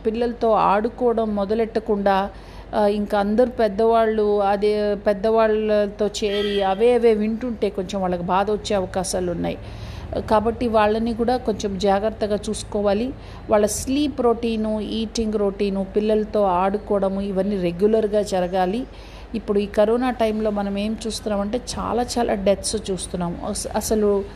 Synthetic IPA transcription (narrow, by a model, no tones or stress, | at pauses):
pilːɐlɐt̪o̞ːaːɽukɔːɐɽɐmːɔd̪ɐlɛʈːɐkuɳɖaː | iŋkɐɐnd̪ɐɾupɛd̪ːɐʋaːɭːuɐd̪epɛd̪ːɐʋaːɭːɐɐt̪o̞ːt͡ʃe̞ːɾiɐʋeːɐʋe̞ːʋiɳʈuɳʈe̞ːkoɲt͡ʃemʋaːɭːɐkibaːd̪ɐʋɐt͡ʃːe̞ːɐʋɐkaːʃaːlunːa̰ːji | kaːbɐʈːiʋaːɭːɐnikuːɽaːko̞ɲt͡ʃemd͡ʒaːɡɾɐt̪ːɐɡaːt͡ʃuːsu̥kɔːʋaːli | ʋaːɭːɐsliːpɾo̞ːʈiːnuiːʈiŋɡɾo̞ːʈiːnupilːɐlɐt̪o̞ːaːɽukɔːʋɐɽɐmuiʋɐnːiːɾe̞ɡjulɐɾɡaːd͡ʒɐɾɐɡaːliː | pːuɽuiːkɐɾoːnaːʈɐjmlo̞ːmɐnɐme̞ːmt͡ʃuːst̪unːaːmɐɳʈe̞ːt͡ʃa̰ːlaːt͡ʃaːlʔa̰ːɖet̪st͡ʃuːst̪unːaːmṵɐsɐlu